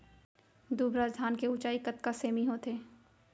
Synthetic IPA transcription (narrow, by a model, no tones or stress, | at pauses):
d̪uːbɾaːzd̪ʱaːnkeut͡ʃaːikət̪kaseːmiɦoːt̪ʰeː